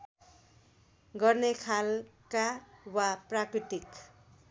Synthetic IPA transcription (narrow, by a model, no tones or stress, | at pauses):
ɡʌrnekʰalkawaprakrit̪ik